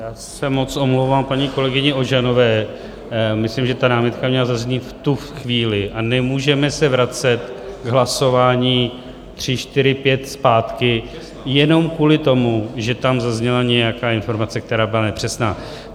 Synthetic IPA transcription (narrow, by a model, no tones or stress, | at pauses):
jaːsɛmo̞t͡sʔo̞mlowvaːmpaɲiːko̞lɛɡɪɲɛʔo̞ʒano̞vɛː | mɪslimʒɛt̪anaːmɪt̪kamɲɛlazazɲɪt̪ft̪uxviːlɪʔanɛmuːʒɛmɛsɛvɾat͡sɛt̪ɡɦlaso̞vaːɲiː | t̪r̝̥ɪʃt̪ɪɾɪpjɛt̪spaːt̪kɪ | jɛno̞mkuːlɪt̪o̞muʒɛt̪amzazɲɛlaɲɛjakaːɪnfo̞ɾmat͡sɛk̚t̪ɛɾaːbɪlanɛpr̝̥ɛsnaː